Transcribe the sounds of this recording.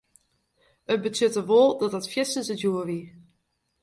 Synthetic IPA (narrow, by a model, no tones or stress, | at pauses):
ət̚bətøtəʋolˠdɔtətfjɪsəsəduəʋi